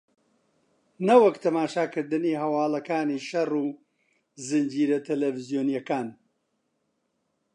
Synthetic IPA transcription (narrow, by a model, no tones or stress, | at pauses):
nɐwɐkt̪ʰɐmaːʃaːkɨɾd̪ɨniːɦɐwaːlɐkaːniːʃɐru | zɨnd͡ʒiːɾɐt̪ʰɛlevɨzijoːnijɐkaːn